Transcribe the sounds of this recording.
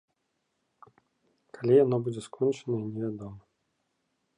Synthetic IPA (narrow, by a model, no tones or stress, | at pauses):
kalʲijanɔbud͡zʲɛskʰɔnt͡ʂɨnɐinʲɪvʲad̪ɔmɐ